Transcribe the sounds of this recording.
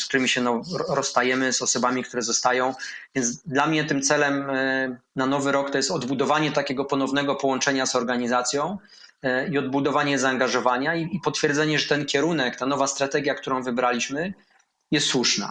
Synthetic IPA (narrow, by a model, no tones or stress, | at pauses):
skt̪uɾɘmʲiɕɛnɔɾɔst̪ajɛmɘzɔsɔbamʲikt̪uɾɛzɔst̪ajɔ̃w̃vʲjɛnd̪lamɲɛt̪ɘmt̪sɛlɛm | nanɔvɘɾɔkt̪ɔjɛst̪ɔd̪bud̪ɔvaɲɛt̪akʲɛɡɔpɔnɔvnɛɡɔpɔwɔnt͡ʂɛɲazɔɾɡaɲizat̪sʲjɔ̃w̃ | iɔd̪̚bud̪ɔvaɲɛzaːŋɡaʐɔvaɲaiipɔt̪fʲjɛɾd̪zɛɲɛʐɛt̪ɛnkʲɛɾunɛkt̪anɔvast̪ɾat̪ɛɡʲjakt̪uɾɔ̃w̃vɘbɾalʲiɕmɘ | jɛst̪swuʂna̰